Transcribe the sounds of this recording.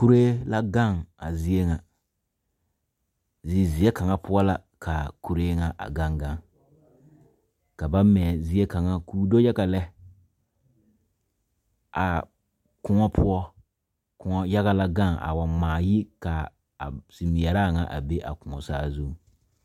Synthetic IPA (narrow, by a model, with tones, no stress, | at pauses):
ku˦ɾeː˦la˦ɡa˦˨ŋa˨zi˦e˦ŋa˨ | zi˨zi˨ɛ˦ka˨ŋa˦pʰʊ˦ɔ˦la˨ | kʰa˨ku˨ɾeː˦ŋa˨ʔa̰˨ɡa˦ŋɡa˦ŋ | ka˨ba˦mɛ˨zi˦e˦ka˨ŋa˦kuː˦do˦jɛ˦ɣa˨lɛ˦ | a˨ | kʊ˦ŋɔ˦pʰʊ˦ɔ˦ | kʊ˨ŋɔ˦ja˦ɣa˦la˦ɡa˦˨ŋa̰˨wa˨mmaː˨ji˦ka˨ | a̰˨si˨mi˨ɛ˨ɾa˦˨ŋa˨ʔa̰˨be˦ʔa̰˨kʊ˨ŋɔ̰˨saː˦zu˦˨